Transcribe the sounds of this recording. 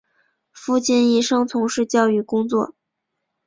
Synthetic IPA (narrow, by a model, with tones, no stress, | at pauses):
fu˥˧t͡ɕi˥˧ni˥˩ʂɤ˥ŋt͡sʰʊ˧˥ŋʂɻ̩˥˧t͡ɕjɑ˥˧ʊy˥˩kʊ˥ŋt͡swɔ̰˥˩